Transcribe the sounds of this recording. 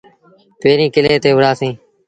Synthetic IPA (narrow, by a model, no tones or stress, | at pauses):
peːɾĩːkɪleːt̪eːʋəɽaːsĩː